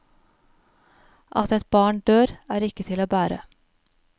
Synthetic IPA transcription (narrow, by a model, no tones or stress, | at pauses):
ʔɑ̰t̪ɛt̪̚bɑːɳɖøːɾæːɾɪkət̪ʰɪloːbæːɾə̰